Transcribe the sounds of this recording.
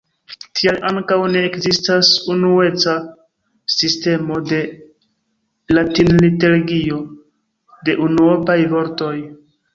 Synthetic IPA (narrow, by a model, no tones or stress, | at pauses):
tʰialʔaŋkawne̞ːkzistasunue̞t͡sa | siste̞mo̞de̞ | latinliteɾɡio̞ | de̞ʔunuopajvo̞ɾto̞j